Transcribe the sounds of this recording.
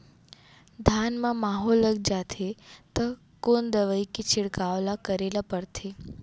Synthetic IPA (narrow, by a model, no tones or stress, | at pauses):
d̪ʱanmãmaɦolːəɡ̚d͡ʒat̪ʰet̪ə | kond̪əʋəjkit͡ʃʰɪɽkaʋlakəɾelapəɾt̪ʰe